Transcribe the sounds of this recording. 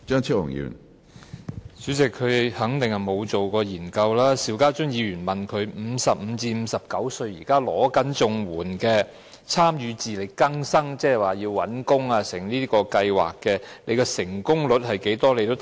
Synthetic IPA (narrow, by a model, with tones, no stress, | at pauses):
t͡ʃœː˥ŋt͡sʰi˥ʊ̰˨˩ŋjy̰ː˨˩n | syː˨˥t͡sɪ˨kʰːɵ˨˧ɥhɐ˨˥ŋt̪ɪ˨ŋhɐ˨˩mo˨˧wt͡so˨wkɔː˧jiː˨˩nkɐ˧wlaː˥siː˨˩wkaː˥t͡ʃʊ˥ŋjiː˨˧ɥyː˨˩nmɐ˨nkʰɵ˨˧ɥm̩˨˧sɐ˨p̚m̩˨˧t͡siː˧m̩˨˧sɐ˨p̚kɐ˨˥wsɵ˧ɥjiː˨˩kaː˥lɔ̰ː˨˥kɐ˨˥nt͡sʊ˧ŋwuː˨˩nkɛː˧ | t͡sʰaː˥mjyː˨˧t͡siː˨le˨˧jkɐ˥ŋsɐ˥ŋt͡sɛː˥hɛ˨˩waː˨jiː˧wwɐ˨˥nkʊ˥ŋaː˧sɪ˨˩ŋliː˥kɔː˧kɐ˧jwa̰ː˨˩kːɛː˧le˨˧kɛː˧sɪ˨˩ŋkʊ˥ŋlɵ˨˥t̚hɐ˨jke˨˥jt̪ɔː˥le˨˧jt̪o˥wt